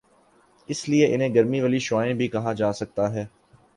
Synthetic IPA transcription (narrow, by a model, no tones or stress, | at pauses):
ɪslieʔɪn̤ẽːɡɐɾmiʋəliʃʊaːẽbʱikɐɦãːd͡ʒaːsɐk̚t̪aɦɛː